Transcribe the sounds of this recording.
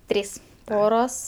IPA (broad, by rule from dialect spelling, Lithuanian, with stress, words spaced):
ˈtʲrʲiːs ˈpoːroːs